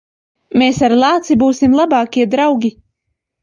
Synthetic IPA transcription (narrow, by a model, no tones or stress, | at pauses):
meːsaɾlˠaːt̪sibuːsimlˠabɑːkʲiɛd̪ɾawɡʲi